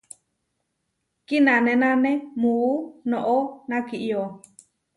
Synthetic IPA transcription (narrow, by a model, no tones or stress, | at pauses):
kinãnẽnãnẽmuːnõʔonãkiʔio